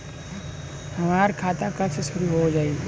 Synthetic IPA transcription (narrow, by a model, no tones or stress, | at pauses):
hɐmaːɾkʰaːt̪akat͡ʃɐsʊɾiɦod͡ʒaːe